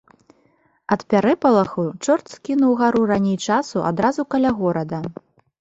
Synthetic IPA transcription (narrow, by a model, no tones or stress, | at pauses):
ɐt̪pʲaɾɛpɐlˠɐxut͡ʂɔrt̪skʲinuwɣaɾuranʲejt͡ʂasuʔa̰d̪ɾazukɐlʲaɣɔɾɐd̪ɐ